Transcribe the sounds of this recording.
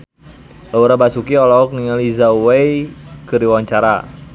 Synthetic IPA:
lauɾabasukiɔlɔk̚niŋalizauwejkəɾiwaɲt͡ʃaɾa̰

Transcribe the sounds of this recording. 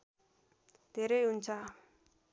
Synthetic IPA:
t̪eɾeɦunt͡sʰa

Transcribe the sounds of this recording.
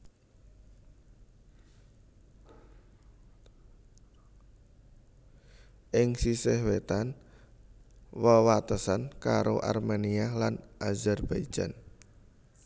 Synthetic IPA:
ʔɪŋsisɪhwet̪an | wəwat̪əsankaɾoʔa̰rmenialanʔazɛrb̥ai̥d͡ʒ̥a̰n

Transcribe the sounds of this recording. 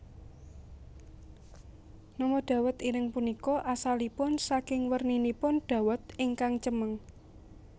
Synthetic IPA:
nɔmɔɖ̥a̤wət̪iɾɪŋpunikɔʔasalipʊnsakɪŋwərninipʊnɖ̥ä̤wət̪ɪŋkaŋt͡ʃəməŋ

